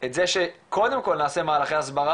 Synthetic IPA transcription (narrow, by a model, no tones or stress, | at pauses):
etzeʃekʰo̞d̪e̞mko̞lnaːse̞maːlaχeasbaʁa